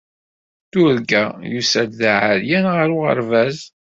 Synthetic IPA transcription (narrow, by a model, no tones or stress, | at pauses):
t̪ʊɾɡæjusæd̪ðaʕaɾjænʁəɾuʁə̰ɾvæz